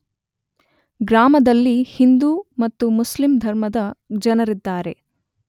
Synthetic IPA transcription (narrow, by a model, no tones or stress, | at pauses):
ɡɾaːmɐd̪ɐlːihind̪umɐt̪ːumuslimd̪ʱɐɾmɐd̪ɐd͡ʒɐnɐɾid̪ːaːɾe̞